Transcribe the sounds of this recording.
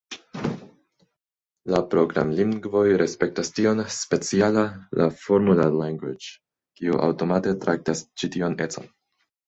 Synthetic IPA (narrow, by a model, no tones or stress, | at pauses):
lapɾo̞ɡɾa̰mliŋɡvo̞jɾe̞spe̞k̚tastio̞nspe̞t͡sialalʔa̰fo̞ɾmulalaŋɡwid͡ʒ | kiuʔa̰wto̞mate̞tɾʔak̚tast͡ʃitione̞t͡so̞̰n